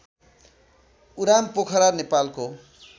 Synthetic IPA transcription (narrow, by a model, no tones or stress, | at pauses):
uɾampokʰʌɾanepalko